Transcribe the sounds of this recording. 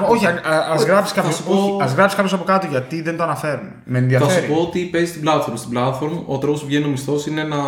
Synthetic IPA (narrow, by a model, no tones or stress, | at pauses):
o̞çiɐɐɐzɣɾɐpsi̥skɐposooiɐzɣɾɐpskɐpçosɐpo̞kɐt̪oʝɐt̪iðent̪oɐnɐfe̞ɾunmeːnðiɐɐesuɾpo̞ot̪ipezist̪iblɐt̪foɾmst̪iblɐt̪fo̞ɾmot̪ɾo̞pospuvʝenio̞mist̪o̞sinenɐ